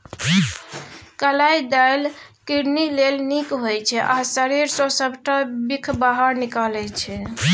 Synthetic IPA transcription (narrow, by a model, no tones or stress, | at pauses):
kəlajd̪ajlkiɾnilelnikɦojt͡ʃʰɛʔasəɾiɾsɔsəbʱʈabikʰbaɦəɾnikalɛt͡ʃʰɛ